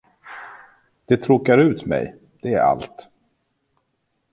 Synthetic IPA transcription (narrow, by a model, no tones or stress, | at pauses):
d̪̥ɛt̪ʰɾuːkaɾʉ̟ːt̪mɛ̰j | d̪̥ɛæɾa̰lt̪